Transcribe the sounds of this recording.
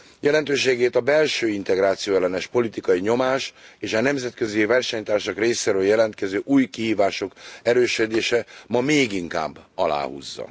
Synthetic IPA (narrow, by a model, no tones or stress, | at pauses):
jɛlɛnt̪øːʃeːɡeːt̪ɒbɛlʃøːint̪ɛɡɾaːt̪sijoːɛlːɛnɛʃpo̞lit̪ikɒjiɲo̞maːʃeːʃɒnɛmzɛt̪kø̞zivɛrʃɛɲt̪aːrʃɒkreːseːɾøːljɛlɛnt̪̚kɛzøːʔuːjkihiːvaːʃo̞kɛɾøːʃød̪eːʃɛmɒmeːɡiŋka̰ːbːɒla̰ːhṵzːɒ̰